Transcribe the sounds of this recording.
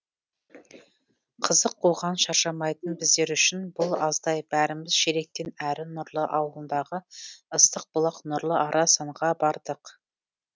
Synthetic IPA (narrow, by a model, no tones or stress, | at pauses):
qʰəzəqquʁɑnʃɑɾʃɑmɑjt̪ənbɪzd̪e̞ɾʏʃɪnbʊlˠɑzd̪ɑjb̥æɾɪmɪz̥ʃeɾek̚t̪enæɾɪnʊɾlˠəʔɑwlˠənd̪ɑʁəəst̪əq̚b̥ʊlˠɑqnʊɾlˠəʔɑɾʔɑsɑɴʁɑbɑɾd̪əq